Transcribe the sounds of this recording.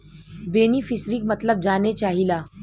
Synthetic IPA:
beːnifɪsɾikmɐt̪ləb̚d͡ʒaːnet͡ʃaːɦilaː

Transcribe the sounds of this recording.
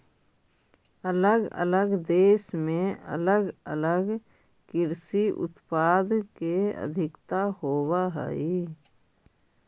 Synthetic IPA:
ələɡə̰ləɡd̪eːʃmẽə̰ləɡələɡ | kɪɾsiʔʊ̰t̪paːd̪keə̰d̪ʱɪkt̪aɦoːwaɦɛ̰i

